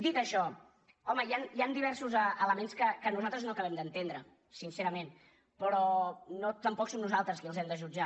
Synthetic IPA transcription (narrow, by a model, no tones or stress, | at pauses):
d̪it̪əʃɔ | ɔməjanjand̪iβɛɾsuzəələmenskəkənuzalˠt̪ɾəznokəβɛmd̪ənt̪end̪ɾə | sinseɾəmen | pɾɔnot̪əmpɔksomnuzalˠt̪ɾəskiəlˠzɛmd̪əʒud͡ʒa